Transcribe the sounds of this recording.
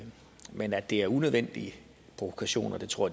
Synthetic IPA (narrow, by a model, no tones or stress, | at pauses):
menæd̥e̝æɐunøðˠʋen̰d̥iə | pʰʁo̝ʋokʰæɕo̝̰ːnɒd̥e̝t͡sʰʁo̝ɐ̰d̥